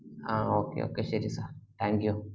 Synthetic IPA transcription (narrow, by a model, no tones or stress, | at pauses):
aokḛo̰keʃiɾisat̪aŋɡju